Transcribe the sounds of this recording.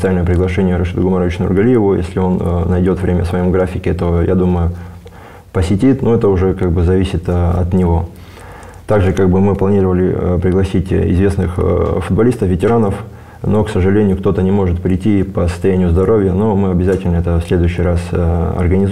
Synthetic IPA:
t̪salʲnəjəpɾʲɪɡlˠɐʂɛnʲɪjəɾɐʂɨt̪ʊɡʊmaɾəvɪt͡ɕnʊ̰rɡɐlʲijɪvʊjḛsʲlʲɪo̞nnɐjdʲo̞t̪vɾʲemʲə̰svɐjo̞mɡɾafʲɪkʲɪt̪o̞ja̰d̪uməjʊ | pəsʲɪtʲit̪noɛt̪əʊʐɛkaɡ̚bɨzɐvʲisʲɪt̪ɐ̰t̪nʲɪvo̞ | t̪aɡʐɨkaɡ̚bɨmɨplˠɐnʲirəvəlʲɪpɾʲɪɡlˠɐsʲitʲɪ̰zvʲesnɨxfʊd̪bɐlʲist̪əfvʲɪtʲɪɾanəf | no̞ksəʐɨlʲenʲɪjʊkt̪o̞t̪ənʲɪmo̞ʐɨt̪pɾʲɪtʲipəsə̥st̪ɐjænʲɪjʊzd̪ɐɾo̞vʲjənomɨɐbʲɪzatʲɪlʲnəɛt̪əfsʲlʲe̞d̪ʊjʉɕːɪjrasɐ̰rɡənʲɪ

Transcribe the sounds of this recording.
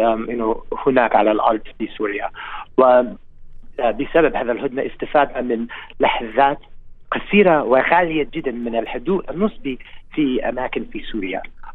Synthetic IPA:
ʔʔɪnːʊhʊnaːkʕa̰lalʔɑ̰ɾˤd̪ˤfisuːɾɪjawɪ | bɪsababhaːðalɦʊd̪naʔɪst̪ɪfaːd̪amɪnlaħðˤaːt̪qɑsiːɾawɪɣaːlɪjad͡ʒɪd̪ːanmɪnalħʊd̪uːʔanːɨsˤbifiʔa̰maːkɪnfisuːɾɪja̰

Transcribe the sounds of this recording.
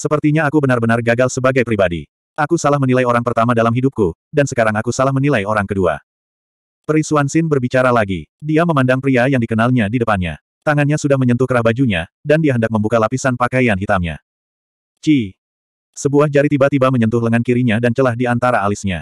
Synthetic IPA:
səpərt̪iɲaːkubənarbənarɡaɡalsəbaɡajpɾibadḭ | ʔakusalahmənilajoɾaŋpərt̪amadalamɦidup̚kudansəkaɾaŋakusalahmənilajoɾaŋkədua̰ | pɾisuansɪnbərbit͡ʃaɾalaɡḭdiaməmandaŋpɾiajaŋdikənalɲadidəpanɲa̰ | t̪aŋanɲasudahməɲənt̪ʊhkəɾahbad͡ʒuɲadandiaɦəndak̚məmbukalapisanpakajanɦit̪amɲa̰ | t͡ʃi | səbuahd͡ʒaɾit̪ibat̪ibaməɲənt̪ʊhɦləŋankiɾiɲadant͡ʃəlahdiant̪aɾaːlɪsɲa̰

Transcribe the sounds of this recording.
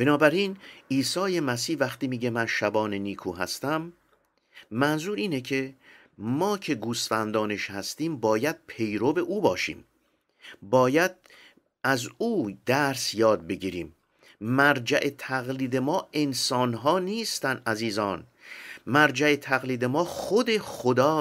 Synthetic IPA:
b̥e̞nɒːbæɾiːniːsɒːje̞mæsiːhvæxt̪iːmiːɟe̞mænʃæbɒːneniːkʰuːɦæ̰st̪æmː | ænzuːɾiːnecʰe | mɒːcʰe̞ɡuːst̪fænd̪ɒːne̞ʃhæst̪iːmbɒːjæd̪̥̚pʰe̞jɾove̞ʔuːbɒːʃḭːm | bɒːjæd̪̥̚ | ʔæzuːd̪æɾsjɒːd̪̚be̞ɟiːɾiːm | mæɾd͡ʒæʔe̞t̪ʰæɣliːd̪e̞mɒːe̞nsɒːnɦɒːniːst̪ænʔæziːzɒːn | mæɾd͡ʒæe̞t̪ʰæɣliːd̪e̞mɒːxod̪e̞xod̪ɒː

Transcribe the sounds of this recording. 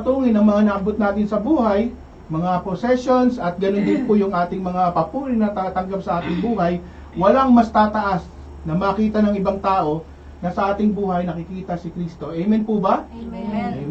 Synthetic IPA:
t̪uːŋɪnɐŋmɐŋanɐʔɐbot̪̚naːt̪ɪnsɐbuːɦɐj | mɐŋapɾosɛʃo̞nsɐt̪̚ɡɐnond̪ɪnpʊjʊŋʔaːt̪ɪŋmɐŋapɐpuːɾɪnɐt̪ɐɐt̪ɐŋɡapsɐʔaːt̪ɪŋbuːɦɐj | wɐlaŋmɐst̪aːt̪ɐʔas | nɐmɐːkiːt̪ɐnɐŋɪbaŋt̪aːʔo̞ | nɐsɐʔaːt̪ɪŋbuːhɐjnɐkɪkiːt̪ɐsɪkɾist̪o̞ʔɛjmɛnpʊbɐ

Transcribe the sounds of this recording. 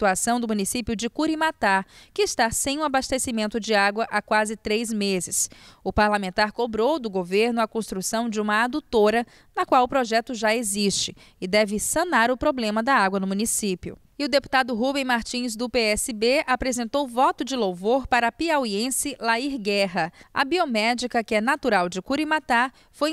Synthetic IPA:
it̪uasɐ̃w̃d̪ʊmũnisipjʊd͡ʒɪkuɾimat̪aɾkɪːst̪asẽj̃ũabast̪esimẽnt̪ʊd͡ʒɪaɡwɐʔakwazɪt̪ɾejzmezɪsʊpaɾlamẽnt̪aɾkobɾowd̪ʊɡoveɾnʊɐkõst̪ɾusɐ̃w̃d͡ʒɪũmɐad̪ut̪oɾɐ | nɐkwawʊpɾɔʒɛt̪ʊʒaeziʃt͡ʃɪ | ɪd̪ɛvɪsɐ̃naɾʊpɾoblẽmɐd̪ɐaɡwɐnʊmũnisipjʊ̰ | ɪʊd̪epu̥t̪ad̪ʊɦubẽj̃maɾt͡ʃĩz̬d̪ʊpeɛsɪbeapɾezẽnt̪owvɔt̪ʊd͡ʒɪlowvoɾpaɾɐpiawiẽsɪlaiɾɡɛɦɐɐbiomɛd͡ʒikɐkɪɛnat̪uɾawd͡ʒɪkuɾimat̪aɾ | foj

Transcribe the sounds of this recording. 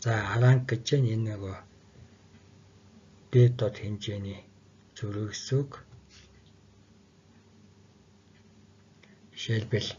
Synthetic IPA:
t͡saːaɾaːŋkːet͡ɕeːnenɔɣoː | t̪eːt̪ɔt̪xent͡ɕeːniː | t͡suɾɘ̆ksuk | ʃeɮpɘ̆ɮ

